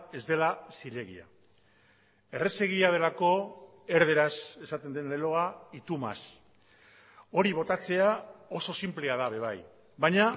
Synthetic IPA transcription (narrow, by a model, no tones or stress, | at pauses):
e̞zd̪e̞lasiɾe̞ɣḭa̰ | e̞re̞se̞ɣ̞iað̞e̞lako̞ | e̞ɾð̞e̞ɾase̞sat̪e̞nd̪enlelo̞ait̪uma̰s | o̞ɾiβ̞o̞t̪at͡se̞ao̞so̞simple̞að̞aβe̞β̞aj | baɲa